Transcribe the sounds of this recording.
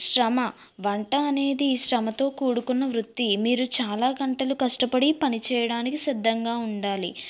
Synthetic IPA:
ʂɾɐmɐ | ʋɐɳʈɐːne̞ːd̪iːʃɾɐmɐt̪o̞ːkuːɽukunːɐʋɾut̪ːimiːɾut͡ʃaːlaːɡɐɳʈɐlukɐʂʈɐpɐɽipɐnit͡ʃɛːjɐɽaːnikisid̪ʱːɐŋɡaːuɳɖaːlḭ

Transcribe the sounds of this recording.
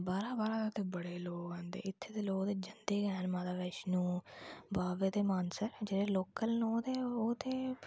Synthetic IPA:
baːɾaːbaːɾaːt̪ot̪eːbəɽeːloːkãːnd̪ḛːɪt̪ʰːeːd̪eːloːkd̪eːd͡ʒənd̪eːɡɛːnmãːd̪aːʋeːʃnũːbaːʋeːt̪eːmaːnsəɾd͡ʒeːɽeːloːkəlnõːd̪eːoːt̪eː

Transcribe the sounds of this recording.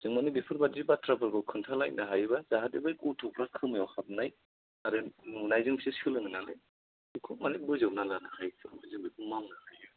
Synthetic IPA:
z̥ɯŋmanibipʰɯɾbatzibatʰɾapʰɯɾɡɯkʰɯntʰalaj̚naɦajβazaɦat̚ibajkutʰɔpʰɾakʰɯmajɔhap̚naj | aɾɯnuŋnajzɯŋbisiskɯlɯŋɯnalḛ | ikʰumanit̚bɯzɯwnalanahajsʰɯbazɯŋbikʰumawnahajɯ

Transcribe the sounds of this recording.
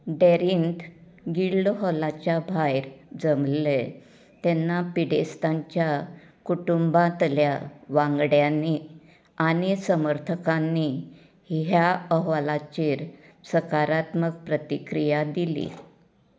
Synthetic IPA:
ɖeɾint̪ | ɡiɭlɦɔlat͡ɕjabʱajɾd͡zəmlle | t̪enːapiɽest̪aɲt͡ɕja | kuʈumbãt̪ljaʋãŋɡɽjanːi | aɽ̃isəməɾt̪ʰəkanːi | hɦjaəɦʋalat͡ɕiːɾsəkaɾat̪mək̚pɾət̪ikɾijad̪ilḭ

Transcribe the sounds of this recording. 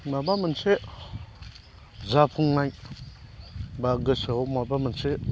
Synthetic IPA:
mabamənt͡se | zapʰuŋːaj | baɡəsəomabamənt͡se

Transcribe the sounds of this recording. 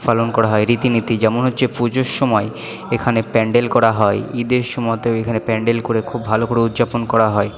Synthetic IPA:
falonkɔɾaɦɔeɾit̪init̪id͡ʑɛmonɦotːɕʰepud͡ʑoɾʃɔmɔe | ekʰanepɛɳɖelkɔɾaɦɔeid̪eɾʃumɔt̪eoekʰanepɛɳɖelkoɾekʰubbʱalokoɾeud̪ːd͡ʑaponkɔɾaɦɔe

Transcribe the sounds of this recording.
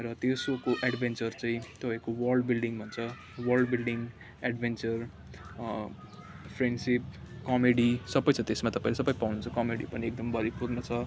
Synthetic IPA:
rʌt̪esokoʔaɖbʱent͡sʌrt͡saĩt̪ʌpãjkowʌrlɖbilɖiŋbʱʌnt͡sʰʌ | wʌrlɖbilɖiŋɡ | aɖbʱent͡sʌr | pʰreɳɖsip̚kʌmeɽisʌbʌjt͡sʰʌt̪esmat̪ʌpãĩlesʌpʌjpawnunt͡sʰʌkʌmeɽḭpʌniekd̪ʌmbʱʌɾipurnʌt͡sʰʌ

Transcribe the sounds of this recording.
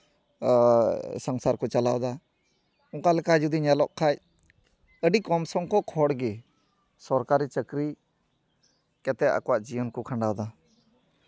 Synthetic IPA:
sɔŋsaɾkɔt͡ʃalawd̪a | ɔŋkalɛkad͡ʒud̪iɲɛlɔʔkʰac | əɖikɔmsɔŋkɔkʰɔɽɡɛ | sɔɾkaɾit͡ʃəkɾi | kɛt̪ɛʔa̰kɔwaʔd͡ʒiɔnkɔkʰaɳɖawd̪a

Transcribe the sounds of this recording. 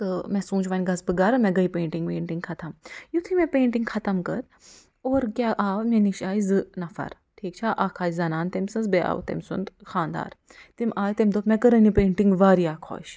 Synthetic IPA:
t̪ɨmɛsũːt͡ʃʋanʲɡɐzbɨɡaːɾɐmɛ̃ɡɐipeːɳʈiŋɡpeːɳʈiŋɡkʰɐt̪ʰɐmjut̪ʰimɛ̃peːɳʈiŋɡxʰɐt̪ɐmkɐt̪ | oːɾkjaʔaːʋmeniʃaːizɨnɐfɐ̰ɾ | ʈʰiːk̚t͡ʃʰaʔaːkʰaːjzɐnaːnt̪ɐmsɨnzbea̰ːʋ̰t̪ɐ̰msṵnd̪xaːnd̪a̰ːɾt̪imaːjt̪emd̪oːpmɛ̃kəɾɐnipẽːɳʈiŋɡʋaːɾiaːkʰo̰ːʃ

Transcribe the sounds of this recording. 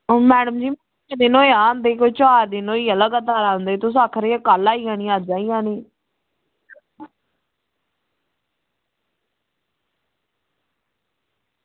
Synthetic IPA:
mɛːɽəmd͡ʒiːm | d̪ɪnoːjãːnd̪eːkʰoːt͡ʃaːɾd̪ɪnoːiːələɡət̪aːɾãːnd̪eːt̪ʊsaːkʰɾeːəkaːlaːiːãːnĩːãːd͡ʒaːiːãːniː

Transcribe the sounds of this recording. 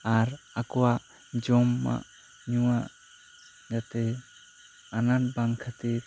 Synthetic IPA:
aɾakuwa | d͡ʒɔmːa̰ | ɲua | ɡate | anatbaŋkʰate

